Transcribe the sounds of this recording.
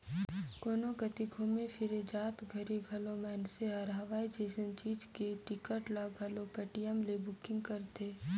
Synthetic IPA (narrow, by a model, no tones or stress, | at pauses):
koːnoɡɐt̪ɪkʰomẽfʰɪɾed͡ʒaːt̪ɡʱɐɾiɡʱɐlomɛːnseɦɐɾɦɐʋaːid͡ʒeːsənt͡ʃiːd͡ʒkeʈɪkəʈlaɡʱɐlopɛʈijəmlebʊkɪ̃ŋɡkəɾt̪eː